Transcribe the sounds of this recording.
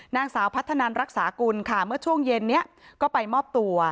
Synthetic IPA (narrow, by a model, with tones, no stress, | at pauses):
naː˥˩ŋsaː˩˦wpʰa˦˥t̪ʰːa˧naː˧nɾa˦˥k̚saː˩˦ku˧nkʰa˥˩mɯ˥˩ɐt͡ɕʰu˥˩əŋje˧nːi˦˥ɐʔkɔː˥˩pa˧jmɔː˥˩p̚t̪u˧ɐ